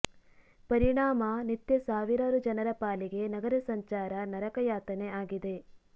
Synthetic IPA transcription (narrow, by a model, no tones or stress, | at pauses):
pɐɾiɳaːmɐnit̪jɐsaːʋiɾaːɾud͡ʒɐnɐɾɐpaːliɡe̞nɐɡɐɾɐsɐɲt͡ʃaːɾɐnɐɾɐkɐjaːt̪ɐneaːɡid̪e̞